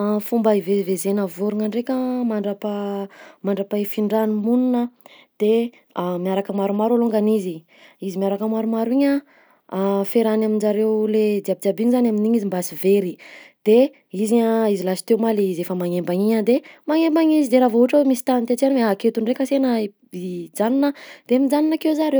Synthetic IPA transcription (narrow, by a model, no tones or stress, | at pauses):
fumbaivezivezenavuɾuŋaɳɖ͡ʐekʲəmaɳɖ͡ʐapamaɳɖ͡ʐapaifiɳɖ͡ʐanimunnə | d̪̥e | amiaɾakəmaɾumaɾaluŋɡanizi | izimjaɾakəmaɾumaɾuiɲə | feɾanaminzaɾewled̪iabid̪abiɲzanaminiɲizimbasiveɾid̪̥e | iziɲaizilasi̥t̪ewmalizefəmaŋembaɲiɲad̪emaŋembaɲizid̪eɾavouuʈ͡ʂawmisi̥t̪anint̪et͡ʃanweaket̪uɳɖ͡ʐekəsenə | id͡zaninəd̪̥eamid͡zaninakewzaɾew